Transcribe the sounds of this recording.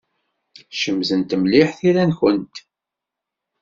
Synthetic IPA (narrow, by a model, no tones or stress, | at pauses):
ʃəmzənt̪əmliħθiɾænçənt̪